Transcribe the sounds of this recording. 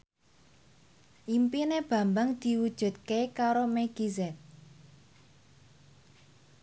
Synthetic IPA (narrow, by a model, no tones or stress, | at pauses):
ʔimpineb̥a̤mbaŋd̪̥i̤wud̥ʒ̥ṳt̪̚kekaɾomeɡ̥izɛt̪̚